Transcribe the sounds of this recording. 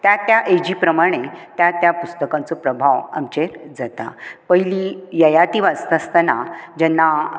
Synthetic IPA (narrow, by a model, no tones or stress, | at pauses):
t̪jat̪jaʔed͡ʑipɾəmaɽ̃et̪jat̪japust̪əkãnt͡sopɾəbʱaʋa̰mt͡ɕeɾd͡zat̪a̰pəɦilijəjat̪iʋast̪ast̪anad͡ʑɛnːa